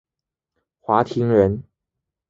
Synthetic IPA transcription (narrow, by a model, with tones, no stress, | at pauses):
xwa˧˥t̪ʰi˧˥ŋɻə˧˥n